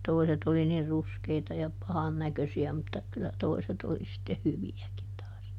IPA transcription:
toiset oli nir ruskeitɑ jɑ pɑhɑn nækøsiæ mutːɑ kylːæ toiset oli sitːeh hyʋiækin tɑːs

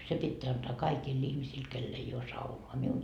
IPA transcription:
se pitːeæ ɑntɑː kɑikiːlː ihmisiːl kelː ei oː sɑunoɑ miun

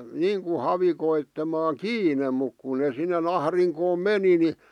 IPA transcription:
niːŋku hɑʋikoitːemɑː kiːne muk ku ne sinːen ɑhriŋkoːm meni ni

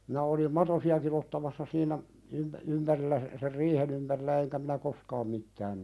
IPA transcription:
minæ olim mɑtosiɑkin otːɑmɑsːɑ siːnæ ympæ̆ ympærilːæ s ser riːhen ympærilːæ eŋkæ minæ koskɑːm mitːæːn

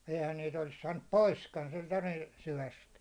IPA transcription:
eihæn niːt olis sɑːnːup poiskɑn sentæ niːn̞ syʋæst

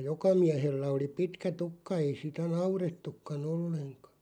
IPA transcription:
jokɑ miæhelːæ oli pitkæ tukːɑ ei sitæ nɑuretːukːɑn olːeŋkɑ̥

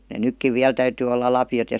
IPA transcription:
ne nykːiʋ ʋiæl tæytyː olːɑ lɑpjot jɑ

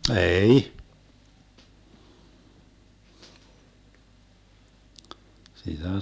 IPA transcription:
eːi sitæ

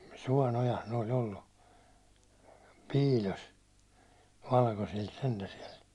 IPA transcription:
suɒn ojɑs ne olʲ olːu piːlʲos ʋɑlkosilt sentæ siɛl

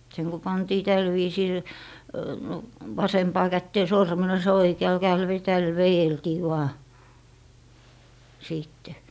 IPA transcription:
seŋ ku pɑntiː tæl ʋiːsiːl ʋɑsempɑː kætːeː sormenos jɑ oikeɑl kæel ʋe tæl ʋejeltiː ʋɑː siːtːe

